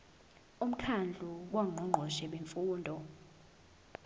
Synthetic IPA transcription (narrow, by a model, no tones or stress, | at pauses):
um̩kʰand͡ɮʱuwaŋ͡ǃʱɔŋ͡ǃʱɔʃɛɓeɱfuːndʱɔ